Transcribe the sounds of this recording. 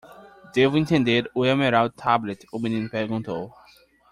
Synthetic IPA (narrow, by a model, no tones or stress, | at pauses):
d̪evĩnt̪ẽnd̪eɾuɛmeɾawd̚t̪ʰablɛt̪uminĩnpɛɾɡũnt̪ow